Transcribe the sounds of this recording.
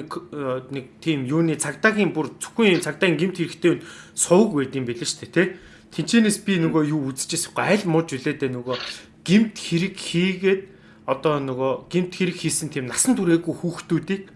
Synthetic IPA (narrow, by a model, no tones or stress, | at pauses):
knek̚t̪ʰiːmjuːniːt͡sʰakt̪aːɣʲiːmpurt͡sʰu̥xŭŋimt͡sʰakt̪aːɣʲiːŋɡem̥t̪xeɾɘ̆kt̪ʰeːunsʊ̆ːkwæːt̪iːmpiɮɘ̆rt͡ɕt̪ʰeːt̪ʰe | t̪ʰen̥t͡ɕʰiːneːspʲinɵɣoːjuːut͡sɘ̥̆t͡ɕɪ̆sʊ̥̆χɔæɮʲmʊt͡ɕuɮeːt̪eːnʊɣɔː | ɡ̥em̥t̪xeɾɘ̆kxiːɣeːt̪̚ | ɔt̪ɔːnʊɣɔːɡ̥em̥t̪xeɾɘ̆kxiːsɘ̆nt̪ʰiːmnasə̆nt̪ʰuɾeːɣujxuːxt̪uːt̪iːk̚